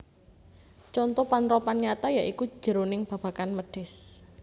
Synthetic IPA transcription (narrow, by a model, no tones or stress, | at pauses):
t͡ʃɔnt̪ɔpanɾɔpanɲat̪ajaʔiku̥d͡ʒ̥ə̤ɾonɪŋb̥ä̤b̥a̤kanməɖ̥ɛ̤s